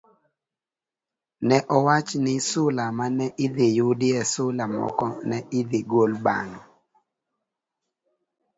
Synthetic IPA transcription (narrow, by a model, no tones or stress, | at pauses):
nɛʔɔwat͡ʃnɪsʊlamanɛʔɪd̪ɪjʊdɪɛsʊlamɔ̰kɔnɛʔɪd̪ɪɡolba̰ŋɔ